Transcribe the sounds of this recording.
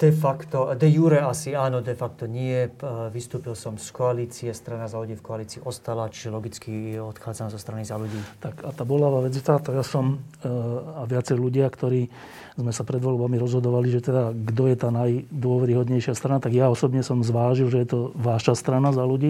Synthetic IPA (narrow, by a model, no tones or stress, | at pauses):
d̪̥ɛfakt̪ɔd̪ɛjuɾɛasiaːnɔd̪ɛfak̚t̪ɔɲɪɛʋist̪uːpilsɔmskɔaliːt͡siɛst̪ɾanazaluɟiːfkɔaliːt͡siːʔɔst̪alat͡ʃi̥ʒɛlɔɡit͡skiɛɔt̪xaːd͡zanmzɔst̪ɾanizaluɟiːt̪akat̪aːbɔlaʋaːʋɛd͡zjɛt̪at̪ɔjasɔm | aʋɪat͡sɛjluɟɪakt̪ɔɾiː | zmɛsapɾɛd̪ʋɔlbamiɾɔzɦɔd̪ɔʋaliʒɛt̪ɛd̪aɡd̪ɔjɛt̪aːnajd̪ʊɔʋɛɾiɦɔd̪ɲɛjʃɪast̪ɾanat̪aɡjaɔsɔbɲɛsɔmzʋaːʒilʒɛjɛt̪ɔʋaːʃast̪ɾanazaluɟiː